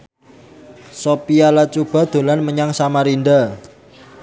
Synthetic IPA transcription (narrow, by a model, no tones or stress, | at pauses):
sopialat͡ʃub̥a̤d̪̥o̤lanməɲaŋsamaɾinɖa